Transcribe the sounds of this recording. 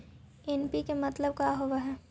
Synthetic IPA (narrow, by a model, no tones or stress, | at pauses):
ɛnpikemɐt̪ləb̚kaːɦoʋaɦɛː